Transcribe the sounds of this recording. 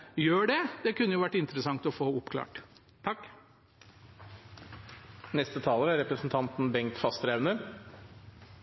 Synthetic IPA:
jøːɖɛd̪̥ɛkʰʉnːəjʊʋæʈːɪnt̪əɾəsɑŋt̪ɔfoːʊpkʰlɑ̰ːʈ | t̪ʰɑkː | nɛst̪ət̪ʰɑːləɾæɾɛpɾəsn̩t̪ʰɑnt̪n̩bɛŋt̪fɑst̪ɾaʉnəɾ

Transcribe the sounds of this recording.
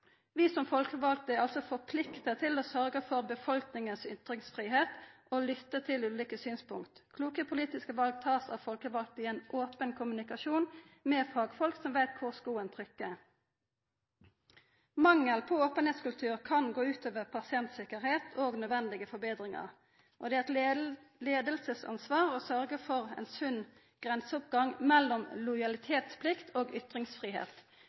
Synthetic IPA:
ʋiːsɔmfɔlkəʋɑlkt̪əɛʁɑlsɔfɔʁpʰlɪkt̪ət̪ʰɪloːsœʁɡəfɔʁbəfɔlknɪŋənsʏ̰t̪ʁɪŋsfʁiːɦeːt̪ | oːlʏt̪ːət̪ʰɪlʉːliːkəsyːnspʊŋkt̪kʰluːkəpʰʊliːt̪ɪskəʋɑlɡ̚t̪ʰɑːsɑ̰ʋfɔlkəʋɑl̚t̪əɪeːnʔoːpənkʰʊmʉnɪkɑʃuːn | meːfʁɑːɡfɔlksɔmʋæɪt̪̚kʰʊʁskuːənt̪ʰʁʏkːə | mɑŋːəlpʰɔoːpənheːt̪skʉlt̪ʰʉːʁkʰɑnɡoːʉːt̪ʰøːʋəʁpʰɑsɪɛnt̪sɪkəʁheːt̪ʰoːɡnœd̪ʋɛnd̪ɪɡəfɔbeːd̪ʁɪŋɑ̰ʁ | ʔɔd̪ɛːæt̪leːd̪əlsəsɑ̰nsʋɑːʁoːsœʁɡəfɔʁɛ̰ːnsʉn | ɡ̥ʁɛnsəʊp̚ɡɑŋmɛlːɔmlʊjɑlɪt̪ʰeːt̪spʰlɪkt̪ʰoːɡʏt̪ʁɪŋsfʁiːɦḛːt̪

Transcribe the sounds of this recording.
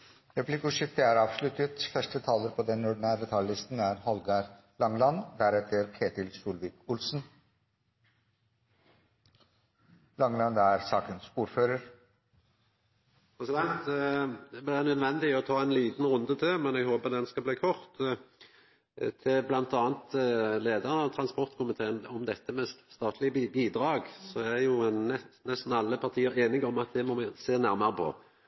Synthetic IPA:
ɾɛpʰlɪkʊʂɪft̪əæɾɑːʋslʉt̪ːət̪fœʂʈət̪ʰɑːləɾpʰɔd̪ɛnjʊɖnæːɾd̪ɛt̪ʰɑllɪst̪n̩æɾhɔlɡɑɾ | lɑŋlɑnd̪æɾɛt̪ʰːəɾkʰeːt̪ɪlsuːlʋiːkʊlsn | lɑŋlɑnd̪æɾsɑːkənsuːɾføːɾəɾ | pʰʁɛsɪd̪ɛnt̪ | blɪdɛnœd̪ʋɛnd̪ɪɔt̪ʰɑːænliːt̪nɾʊnd̪ət̪ʰemɛnɛɡhoːbəd̪ɛnskɑbliːkʰɔʁt̪ | t̪ʰɪlblɑnt̪ɑːnt̪leːd̪əʁənɑt̪ʰɾɑnspɔʁt̪kʰʊmɪt̪ʰeːənɔmd̪ɛt̪ːəmɛsst̪ɑːt̪ʰlɪbiːd̪ʁɑːɡsɔd̪ɛæjʊnɛnɛst̪n̩ɑlːəpʰɑʁt̪ʰiːəɾeːnɪɡɔmɑt̪̚d̪ɛmɔmɛseːnæʁməʁəpʰɔ̰

